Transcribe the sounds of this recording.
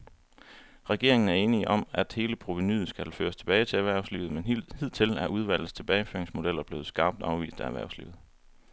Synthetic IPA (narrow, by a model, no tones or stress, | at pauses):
ʁɛɡ̥e̝̰ɐe̝ŋn̩æɐe̝ːniʔɒ̽mæd̥he̝ːləpʰʁo̝ʋinyð̩ˠsɡ̥ælføːɐst͡sʰe̝b̥ɛːɪt͡sʰe̝æʋæɐʊslḭʊð̩ˠmenhið̞̰ˠt͡sʰe̝læɐʔuð̞ˠʋæl̰ð̩ˠt͡sʰe̝b̥ɛɪføɐeŋsmo̝d̥el̰ɐb̥le̝ːð̩ˠsɡ̥ɑ̈ːb̥̚d̥ɑ̈ʊʋḭːsd̥ææʋæɐ̰slḭʊð̩ˠ